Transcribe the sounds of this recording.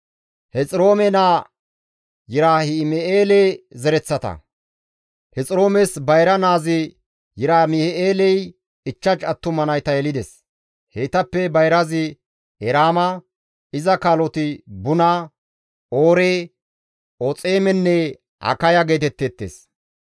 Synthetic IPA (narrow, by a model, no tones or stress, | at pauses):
hɛt͡sʼɪɾo̞ːmɛnaː | jɪɾaːhɪmɛʔeːlɛzɛɾɛt͡sːɐt̪ɐ̰ | hɛt͡sʼɪɾo̞ːmɛsbɐjɾɐnaːzɪ | jɪɾaːmɪhɛʔeːlɛj | ɪt͡ʃːɐt͡ʃʼɐt̪ːʊmɐnɐjt̪ɐjɛlɪd̪ɛs | heːt̪ɐpːɛbɐjɾɐzɪ | ɛɾaːmɐ | ɪzɐkaːlɔt̪ɪbʊna | ʔoːɾe | ot͡sʼe̞ːmɛnːɛ | hɐ̰kɐjɐɡe̞ːt̪̬ɛt̪ːɛt̪ːḛs